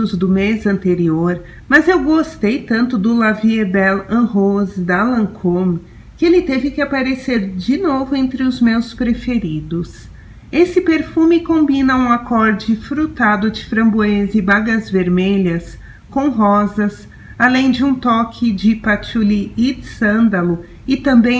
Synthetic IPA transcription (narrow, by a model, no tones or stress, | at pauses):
ʊzd̪ʊmezɐ̃nt̪eɾioɾ | mɐzewɡost̪ejt̪ɐ̃nt̪ʊd̪ʊlaviebɛlɐ̃ɦozd̪ɐlɐ̃kʰom | kɪelɪt̪evɪkɪapaɾeseɾd͡ʒɪnovʊẽnt̪ɾɪʊzmewspɾefeɾid̪ʊs | esɪpeɾfumɪkõmbĩnɐũakɔɾd͡ʒɪfɾut̪ad̪ʊd͡ʒɪfɾɐ̃mbuẽzɪbaɡɐzveɾmeʎɐs | kõw̃ɦɔzɐs | alẽj̃d͡ʒɪũt̪ɔkʰɪd͡ʒɪpat͡ʃuliid̪sɐ̃nd̪ɐlʊ | ɪt̪ɐ̃mbẽj̃